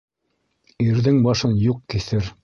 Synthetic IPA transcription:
iɾðɘŋbɑʃɤnjuqkiθɘɾ

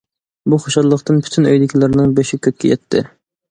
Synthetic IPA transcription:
buχoʃɑlˠːəqt̪ɨnpʰy̥t̪ʰynø̰jd̪ɪkʲʰilɪɾnɪŋbeʃɪkʲʰøt̪̚ʲkʲɛjɛt̪ʰːɪ̰

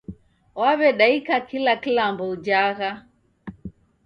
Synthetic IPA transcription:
waβɛɗaikakilakilambɔd͡ʒaɣa

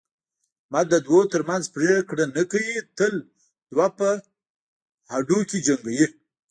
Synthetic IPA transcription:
mad̪əd̪wot̪əɾmanzpɾekɽanakawit̪əl | d̪̥wapə | haɖuked͡ʒaŋɡaji

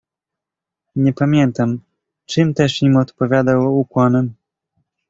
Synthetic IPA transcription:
ɲɛpamʲjɛnt̪am | t͡ʂɨmt̪ɛʂimɔt̪pɔvʲjad̪awukwanɛm

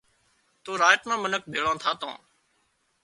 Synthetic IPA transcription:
t̪oːɾaːjʈmãːmənək̚bʱeːɭãːt̪ʰaːt̪õ̰ː

